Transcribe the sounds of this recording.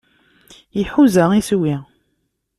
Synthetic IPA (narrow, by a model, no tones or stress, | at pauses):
jiħuzəiswi